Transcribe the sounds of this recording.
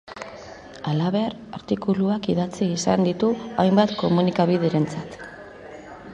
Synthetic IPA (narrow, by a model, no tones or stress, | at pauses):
alaβe̞aɾ | aɾt̪ikuluakiðat͡siːsa̰nd̪it̪uajmbat̪ko̞munikaβ̞ið̞e̞ɾe̞nt͡sat̪